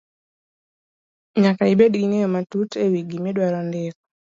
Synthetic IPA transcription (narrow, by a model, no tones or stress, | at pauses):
ɲakaɪbedɡinejɔmatutewiɡimedwaɾɔndɛk